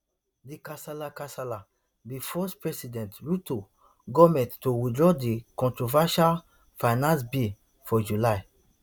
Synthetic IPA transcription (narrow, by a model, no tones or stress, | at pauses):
dikasalakasala | bifɔspɹɛsidɛ̃ntɹuto | ɡɔmɛ̃tːowidɹɔdikɔ̃ntɹovaʃal | faɪnãns̬bi | fɔd͡ʒulaj